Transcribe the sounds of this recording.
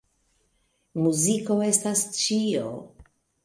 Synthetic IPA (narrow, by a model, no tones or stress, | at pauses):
muziko̞e̞stast͡ʃio